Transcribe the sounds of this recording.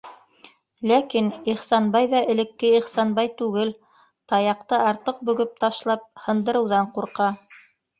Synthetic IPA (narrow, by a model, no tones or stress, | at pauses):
lækiniχsɑnbɑjðɑʔɘ̆lɘ̆kːɘiχsɑnbɑjt̪ʉɡɘl | t̪ɑjɑqt̪ɤɑɾt̪ɤq̚bɵ̆ɡɘp̚t̪ɑʃlˠɑp̚hɤ̆nd̪ɤ̆ɾɤ̆wðɑɴquɾqɑ